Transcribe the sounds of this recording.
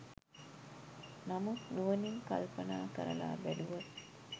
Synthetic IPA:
nɐmuuʋɐniŋkɐ̰lpɐnaːkɐ̰ɾɐ̰la̰ːbæɖuʋɐt̪

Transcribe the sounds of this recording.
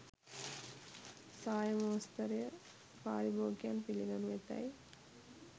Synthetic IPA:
saːjɐmoːst̪ɐɾjɐ | pa̰ːɾiboːkjaːnpiliɡɐnʋeʈːa̰j

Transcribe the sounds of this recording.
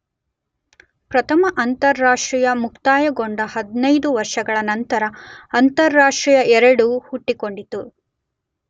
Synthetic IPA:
pɾɐt̪ʰɐmɐʔɐnt̪ɐɾːaːʂʈɾijɐmukt̪aːjɐɡoɳɖɐhɐd̪inɐjd̪uʋɐɾʂɐɡɐɭɐnɐnt̪ɐɾɐɐnt̪ɐɾːaːʂʈɾijɐʔɛɾɐɽuhuʈːiko̞ɳɖit̪u

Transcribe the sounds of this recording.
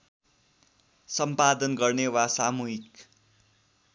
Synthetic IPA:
sʌmpad̪ʌnɡʌrnewasamuɦik

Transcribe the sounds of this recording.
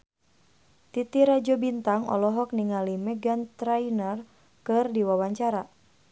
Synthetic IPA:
t̪it̪iɾad͡ʒɔbint̪aŋɔ̰lɔɦɔk̚niŋalimɛɡant̪ɾainər | kɨrdiwawaɲt͡ʃaɾa

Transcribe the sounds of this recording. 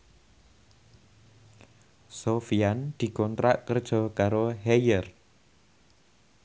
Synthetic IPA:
sofiand̪̥i̤kɔnt̪ɾaʔkərd̥ʒ̥ɔ̤kaɾoɦɛjər

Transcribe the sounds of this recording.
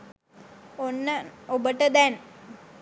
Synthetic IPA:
onːəobəʈəd̪ɛn

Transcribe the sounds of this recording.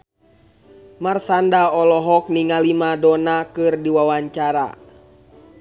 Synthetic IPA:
marsandaɔlɔɦɔk̚niŋalimadɔnakɨrdiwawaɲt͡ʃaɾa̰

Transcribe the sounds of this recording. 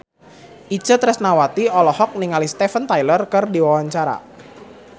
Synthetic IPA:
ʔi̥d͡ʒ̥ət̪ɾɛsnawat̪iɔlɔhɔk̚niŋalist̪efənt̪ajlərkərdiwawaɲt͡ʃaɾa̰

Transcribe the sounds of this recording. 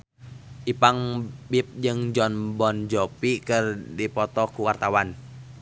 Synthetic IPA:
ʔipaŋbip̚d͡ʒɨŋd͡ʒɔnbɔnd͡ʒɔpikɨrdipɔt̪ɔkuwart̪awan

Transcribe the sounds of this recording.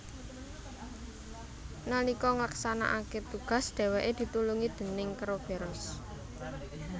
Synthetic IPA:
nalikɔŋlaksana̰ʔaket̪uɡ̥ä̤sd̪̥e̤wɛʔed̪̥i̤t̪uluŋid̪̥ə̤nɪŋkəɾob̥e̤ɾɔs

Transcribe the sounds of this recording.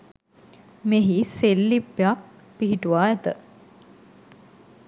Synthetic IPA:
meɦiselːipːjak̚ | piɦiʈuʋaːɛt̪ə

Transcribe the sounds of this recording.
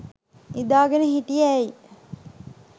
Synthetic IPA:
id̪aːɡenəɦiʈijæi

